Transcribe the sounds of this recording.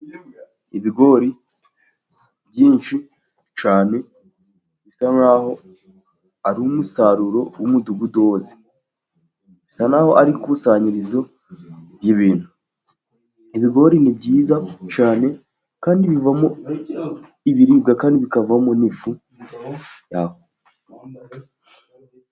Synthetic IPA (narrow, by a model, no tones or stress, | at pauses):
iβiɡo̞ɾi | bjɟiːnʃi | t͡ʃaːne̞ | βisanaːho̞ | aɾumusaɾuɾo̞wumuduɡudo̞ːze̥ | βisanaːho̞̰ʔaɾikusaɲiɾizo̞ | βjiβiːn̥hu | iβiɡo̞ɾinibɟiːzat͡ʃaːne̞ | kaːndiβivamo | iβiɾiːbɡakaːndiβikavamonifu | jaho